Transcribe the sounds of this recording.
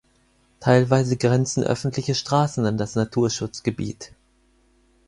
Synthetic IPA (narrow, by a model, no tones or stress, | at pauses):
tʰaɪlvaɪzəɡʁɛnt͡sn̩ʔœ̰fn̩tlɪçəʃtʁ̥aːsn̩andasnatʰuːɐʃʊt͡sɡ̥əbḭːt